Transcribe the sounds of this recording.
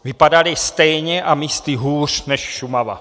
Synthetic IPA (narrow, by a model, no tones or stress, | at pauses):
vɪpadalɪst̪ɛjɲɛʔamiːst̪iɦuːr̝̥nɛʃʃumava̰